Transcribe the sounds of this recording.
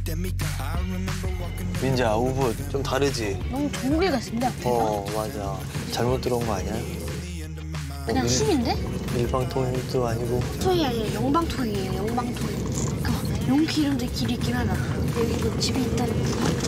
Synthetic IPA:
mind͡ʑaubut̚t͡ɕ͈omtaɾɯd͡ʑinʌmut͡ɕoŋubiɡais͈ɯmɲidaʌmad͡ʑa | t͡ɕaɭmot͈ɯɾnɡʌaɲajo | kɯɲaŋɕʰiminde̞iɭbaŋtʰoŋidoaɲiɡotʰoiaɲejʌŋbaŋtʰoŋiejojʌŋbaŋtʰoikɯ | joŋkʰiɾɯndekibik͈imadajʌɡidomt͡ɕibiːt͈̚anɯŋʌsʰo

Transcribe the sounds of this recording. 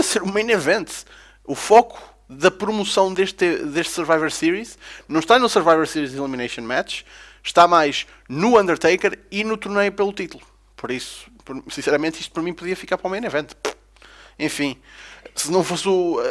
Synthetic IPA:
piɐseɾumejnɐvẽnt̪ | ufɔku̥ | ðɐpɾumusɐ̃w̃d̪eʃt̪ed̪eʃt̪sɨɾvajvɐɾsiɾiʃnɐ̃w̃ʃt̪anusɨɾvajvɐɾsiɾizilˠiminɐjʃõnmɛt͡ʃʃt̪amajʒ | nuɐ̃nd̪ɨɾt̪ejkɛɾinut̪uɾnɐjupelˠut̪it̪ulˠu | pɔɾisu̥pɔɾsĩsɛɾɐmẽnt̪iʃt̪u̥pɐɾɐmĩpuðiɐfikaɾpɾɔmejnɐvẽnt̪p | ẽfĩsɨnɐ̃w̃fosu

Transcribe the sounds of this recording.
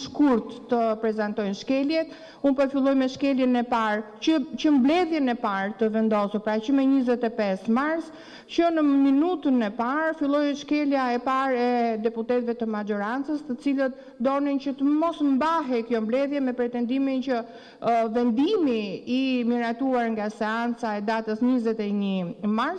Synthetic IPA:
ʃkuɾt̪ːəpɾɛzant̪ɔjnʃkɛljɛt̪ | unpɔfilˠɔjmɛʃkɛljɛnɛpaɾ | ət͡ʃəmblɛðjɛnɛpaɾt̪əvɛnd̪ɔsuɾpɾat͡ɕəmɛɲizɛt̪ɛpɛsmaɾs | t͡ʃənəminut̪ənɛpaɾfilˠɔjʃkɛljaɛpaɾɛd̪ɛput̪ɛt̪vɛt̪əmad͡ʒɔɾant͡səst̪ət͡silət̪̚ | d̪ɔnint͡ɕət̪əmɔsmbaɦɛkjɔmblɛðjɛmɛpɾɛt̪ɛnd̪imint͡ɕə | vɛnd̪imiːmiɾat̪uaɾŋɡasɛant͡saɛd̪at̪əsɲizɛt̪ɛɲimaɾs

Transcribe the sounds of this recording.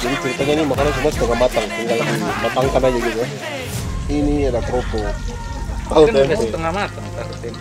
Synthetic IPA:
d͡ʒadit͡ʃəɾit̪aɲanimakanasumuasə̥t̪əŋahmat̪aŋt̪iŋɡalmat̪aŋkanad͡ʒaɡit̪u | iniadap̪ɾopu | auamat̪əŋamat̪aŋt̪at̪

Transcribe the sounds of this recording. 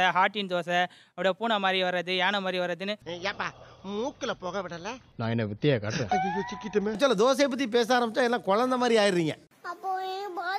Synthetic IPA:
ɐɦaːʈːind̪oːsɛ | ɐpːɐɽijɐpuːnɐmaːd̪ɾiʋɐɾːɐðɯaːnɐmaːd̪ɾiʋɐɾːɐðɯnːɯaːpːaːmuːkːɪlɐpoːɣɐʋɪɽɐlɐ | nãːɛnːɐʋɪt̪ːɪjekɐːɽɛ̰̃t͡ʃɪkːɪʈːɯmet͡ʃːaːlːɐd̪oːs̬ep̬ːɐt̪̬ːip̬eːs̬aːɾɐmbɪt͡ʃːãɛlːãːkɔɻɐnd̪ɐmaːd̪ɾiaːjɪɾɾiːŋɡɐ̰ | ɐpːo

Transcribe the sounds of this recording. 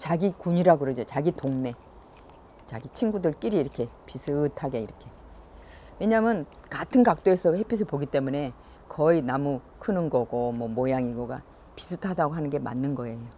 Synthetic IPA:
t͡ɕaɡikuɲiɾaɡɯɾʌd͡ʑot͡ɕaɡitoŋne̞ | t͡ɕa̰ɡit͡ɕʰinɡudɯɭk͈iɾiːɾʌkʰe̞pisʰɯtʰaɡe̞iɾʌkʰe̞ | we̞ɲamjɯn | katʰɯnkak̚t͈oe̞sʰʌhe̞pʰisʰɯpoɡit͈e̞mune̞ | kʌinamu | kʰɯnɯnɡʌɡomwʌmojaŋiɡoɡa̰ | pi̥sʰɯtʰadaɡoɦanɯnɡe̞ma̰nːɯnɡʌe̞jo

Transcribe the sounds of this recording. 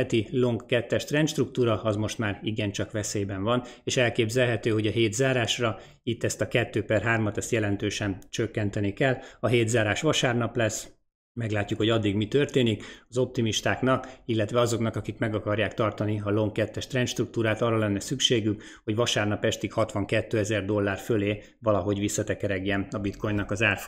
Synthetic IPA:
t̪ilo̞ŋkːɛt̪ːɛʃt̪rɛnʃt̪ruk̚t̪uːɾɒɒzmo̞ʃt̪maːɾiɡɛnt͡ʃɒkʋɛseːbɛɱvɒneːʃɛlkeːbzɛlɦɛt̪øːɦo̞ɟɒɦeːd̪zaːɾaːʃrɒ | it̪ːɛst̪ɒkɛt̪ːøːpɛrɦaːrmɒt̪ɛst̪jɛlɛnt̪øːʃɛnt͡ʃøkːɛnt̪ɛnikɛlːɒɦeːd̪zaːɾaːʃʋɒʃaːrnɒplɛs | mɛɡlaːcːukho̞ɟɒd̪ːiɡmit̪ørt̪eːnikɒzo̞p̚t̪imiʃt̪aːknɒkilːɛt̪ʋɛɒzo̞knɒkɒkikmɛɡɒkɒrjaːkt̪ɒrt̪ɒniɒlo̞ŋkɛt̪ːɛʃt̪rɛnʃt̪ruk̚t̪uːɾaːt̪ɒrːɒlɛnːɛsykʃeːɡyk | ho̞ɟʋɒʃaːrnɒpɛʃt̪ikhɒt̪ʋɒŋkɛt̪ːøːɛzɛrd̪o̞lːaːrføleː | vɒlɒɦo̞ɟʋisːɒt̪ɛkɛɾɛɡjɛnɒbit̪ko̞jɲnːɒkɒzaːrf

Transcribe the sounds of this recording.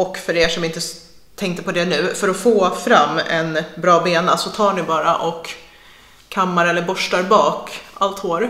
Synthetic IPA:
ɔkːfœɖeːʂɔmɪnt̪ə | t̪ʰɛŋkt̪əpʰɔd̪ɛnʉ̟ːfœɾɔfoːfɾamːɛ̰nbɾɑːbeːnasɔt̪ʰɑːɳɪbɑːɾaʔɔkʰː | amːaɾɛlːəɾbɔʂʈaɾbɑːkʔalt̪hoːɾ

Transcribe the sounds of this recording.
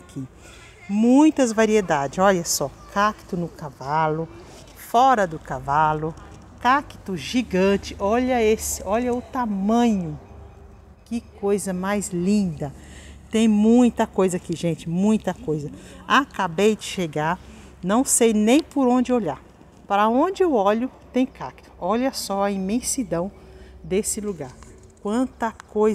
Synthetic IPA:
kʰi | mũj̃t̪ɐzvaɾied̪ad͡ʒɪzɔʎɐsɔkʰakt̪ʊnʊkavalʊ | fɔɾɐd̪ʊkavalʊ | kakɪ̥t̪ʊʒiɡɐ̃t͡ʃɪʔɔʎɐesɪɔʎɐʊt̪amɐ̃ɲʊ | kɪkojzɐmajzlĩd̪ɐ | t̪ẽj̃mũj̃t̪ɐkojzɐakiʒẽt͡ʃɪmũj̃t̪ɐkojzɐakabejd͡ʒɪʃeɡaɾ | nɐ̃w̃sejnẽj̃pʊɾõnd͡ʒɪoʎaɾ | paɾɐõd͡ʒɪewɔʎʊt̪ẽj̃kakɪ̥t̪ʊ̥ɔʎɐsɔɐimẽsid̪ɐ̃w̃ | d̪esɪluɡaɾ | kwɐ̃nt̪ɐkoj

